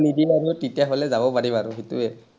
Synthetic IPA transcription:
nidiaɹiɔtitijaɦɔlɛzabɔpaɹibaɹʊɦituɛ

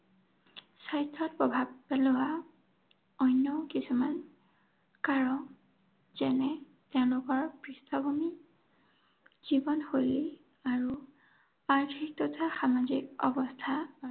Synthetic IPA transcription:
sajtʰːɔt̚pɔbʱabpɛlʊwa | ɔjnjɔkisuman | kaɹɔ | z̥ɛnɛ | tɛʊ̃lʊkɔɹpɹistʰɔbʱumi | z̥ibɔnxojle | aɹu | aɹtʰik̚tɔtʰaxamazikɔ̰bɔstʰa

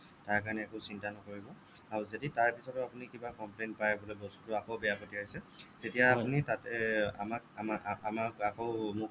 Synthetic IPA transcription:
taɹkanɛːkɔsintanɔkoɹibɔ | aɹuzeditaɹpisɔtʊapunikibakɔmplenpajɛbɔlɛbɔstutʊakɔʊbɛjapotiɦojsɛtetijaːpunitatɛa̰mak̚aamakakɔʊmu

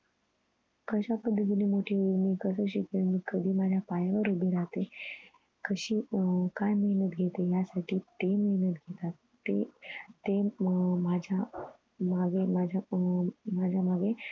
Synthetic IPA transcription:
kəɕapəd̪ʱːət̪inimoʈʰimiːkəsəɕikəmikəd̪ʱiːmad͡ʑʱjapajaʋəɾubeɾaɦt̪e | kəɕiːkajməɦnət̪ɡʱet̪ejasaʈʰiːt̪eməɦnət̪ɡʱet̪at̪ː | et̪emad͡ʑʱja | maɡemad͡ʑʱa | mad͡ʑʱjamaɡe

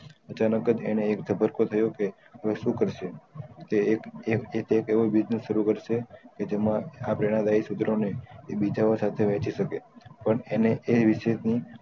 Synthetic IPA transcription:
ət͡ʃanəkəd͡ʒeneːkd͡ʒʱəbʱəɾkot̪ʰəjoke | ɦəʋeʃũkəɾʃet̪e | et̪ʰekeʋobid͡ʒneʃəɾukəɾʃeked͡ʒemãapɾeɽ̃ãd̪aisut̪ɾoneebid͡ʒaosat̪ʰeʋɛ̃t͡ʃiʃəkepəɳeneʔeʋɪʃeni

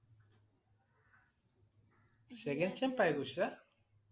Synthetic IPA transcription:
seɣent͡ʃempajɣuʃa

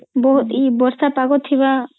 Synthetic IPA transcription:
bɔɦut̪ibɔɾsapaɡɔt̪ɦiβa

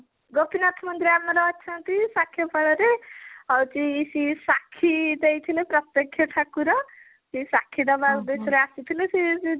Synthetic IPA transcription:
ɡɔpinat̪ʰmʌnt̪ɾiameɾɔːtːt͡ʃʰant̪isakʰːjepɔɽɔɾeʌwt͡ʃiːsisakʰːid̪ejt̪ʰilepɾʌt̪jʌkʰjɔʈ̪ʰakuɾʌ | t͡ʃisakʰːid̪ʌbad̪et͡ʃʰɔɾeasit̪ʰilesii

